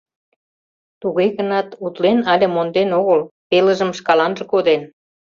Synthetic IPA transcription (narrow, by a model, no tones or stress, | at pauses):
t̪uɣeɣənɑt̪ut̪lenɑlʲĕmond̪enoɣəlpelə̆ʒə̆mʃkɑlɑnʒə̆kod̪en